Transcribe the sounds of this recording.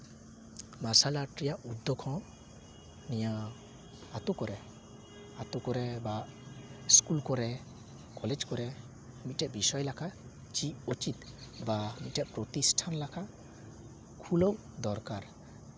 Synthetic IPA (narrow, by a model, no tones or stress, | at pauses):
masalaʈɾijaʔud̪ʱːɔkʰɔ̃ | nija | at̪ukɔɾɛ | at̪ukɔɾɛba | skulkɔɾɛ | kɔled͡ʒkɔɾɛ | mit̚ʈɛʔbisɔjlakʰa | t͡ʃiut͡ʃit̪ | bamit̚ʈɛʔpɾɔt̪isʈʰanlakʰa | kʰuləw | d̪ɔɾkaɾ